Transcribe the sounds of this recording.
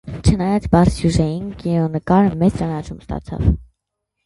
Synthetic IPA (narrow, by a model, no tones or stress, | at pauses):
t͡ʃʰənɑjɑt͡sbɑɾt͡sʰjuʒɛjinkinɔnəkɑɾəmɛt͡st͡ʃɑnɑt͡ʃʰumst̪ɑ̰t͡sʰɑ̰v